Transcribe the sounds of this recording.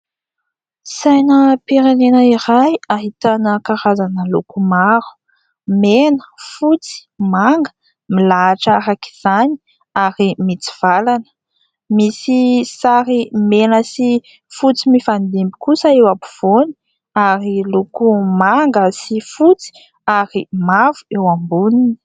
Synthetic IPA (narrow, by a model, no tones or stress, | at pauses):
sajnəpiɾenenəiɾajaɦit̪anəkaɾazanəlukumaɾu̥ | menə̥fut͡si̥maŋɡə̥ | milaːʈ͡ʂaɾaki̥z̥ani̥ | aɾimit͡si̥v̥alanə̥ | misisaɾimenəsi | fut͡simifand̪imbi̥kusəewapuv̥oni̥ | aɾilukumaŋɡəsifut͡si̥ | aɾimavuewambunini̥